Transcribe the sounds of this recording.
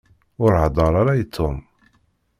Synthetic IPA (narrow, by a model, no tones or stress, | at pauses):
ʊɾʕd̪ˤɑɾˤaɾajət̪ʰːom